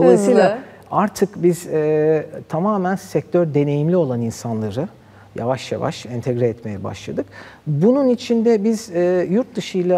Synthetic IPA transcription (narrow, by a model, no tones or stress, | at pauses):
d̪olˠajsɯːjlˠa | aɾt̪ʰɯkbiz̥ɛːt̪ʰamaːmænsɛc̚t̪ʰøɾd̪e̞ne̞jimlʲio̞lˠaninsanlˠaɾɯ | ja̰vaʃja̰va̰ʃɛnt̪ʰɛɡɾɛːt̪me̞jɛba̰ʃlˠad̪ɯk | bununit͡ʃʰind̪ɛbizɛːjuɾt̪̚d̪ɯʃɯjlˠa